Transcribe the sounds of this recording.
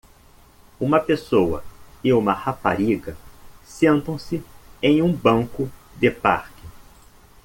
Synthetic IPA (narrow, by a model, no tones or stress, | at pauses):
ũmɐpesowɐ̰ɪũmɐhapa̰ɾiɡɐsẽnt̪ɐ̃w̃sɪẽj̃ũbɐ̃ŋkʊd̪ɪpa̰ɾkɪ